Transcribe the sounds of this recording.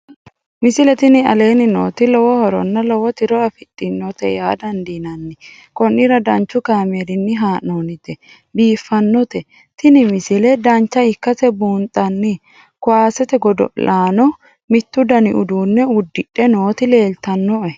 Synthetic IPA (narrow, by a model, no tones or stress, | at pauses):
mɪsɪlɛt̪ɪnɪɐ̰le̞ːnɪno̰ːt̪ɪlɔwɔhɔɾɔ̰nːɐlɔwɔt̪ɪɾɔɐfɪtʼːɪnːɔt̪ɛjaːd̪ɐnd̪inɐnːɪ | kɔnːɪɾɐd̪ɐnt͡ʃːʊkaːmedɪnːɪɦaːnoːnɪt̪ɛ | biːfːɐnːɔt̪ɛ | t̪ɪnɪmɪsɪlɛd̪ɐnt͡ʃːɐɪkːɐsɛbuːnt̪ʼɐnːɪ | kʊwaːsɛt̪ɛɡɔd̪ɔ̰laːnɔ | mɪt̪ːʊd̪ɐnɪʔʊd̪uːnːɛʊd̪ːɪᶑɛno̞ːt̪ɪle̞ːlt̪ɐnːɔʔɛ